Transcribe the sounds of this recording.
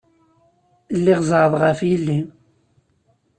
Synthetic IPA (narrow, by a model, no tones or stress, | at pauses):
lːiʁzˤɾˤəðˤʁəfjəlːi